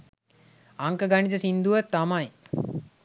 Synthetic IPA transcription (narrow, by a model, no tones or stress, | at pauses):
aŋkəɡaɳit̪əsind̪uʋət̪ːamaj